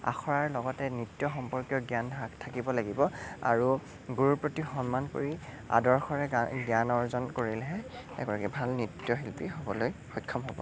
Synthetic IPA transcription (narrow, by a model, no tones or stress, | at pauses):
a̰xʰɔɹaɹlɔɡɔtɛnɹitːjɔxɔmpɔɹkjɔɡjanbʱaɡtʰakibɔlaɡibɔa̰ɹu | ɡuɹupɹotixɔnmanko̰ɹi | a̰dɔɹxɔɹɛɡjanɔɹzɔnkoɹilɦɛɛ̰ɡɔɹakɛbʱalnɹitːjɔɦilpiɦobɔlojxɔjkʰːɔmɦobɔ̰